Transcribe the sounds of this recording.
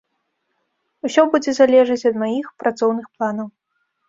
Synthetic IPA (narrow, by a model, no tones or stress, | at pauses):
usʲɔbud͡zʲɛzalʲɛʐɨt͡sʲɐd̪majixpɾat̪sɔwnɨxplˠanɐw